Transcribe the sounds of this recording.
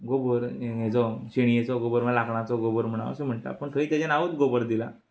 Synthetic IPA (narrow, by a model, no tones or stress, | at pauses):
ɡobəɾet͡sɔɕiɽ̃iet͡sɔɡobəɾm̤əlakɳat͡sɔɡobəɾm̤əɽ̃a̰ʋa̰sem̤əɳʈ̪a̰pəɳt̪ʰəiːt̪jad͡ʑanaʋət̪ɡobəɾd̪ila̰